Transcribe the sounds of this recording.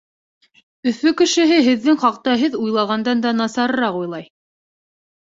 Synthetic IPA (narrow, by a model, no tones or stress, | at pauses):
ɵ̆fɵkɘ̆ʃɘ̆ɦɘɦɘ̆ðːɘŋχɑqt̪ɑɦɘðujlˠɑʁɑnd̪ɑnd̪ɑnɑsɑɾɤ̆ɾɑqujlˠɑj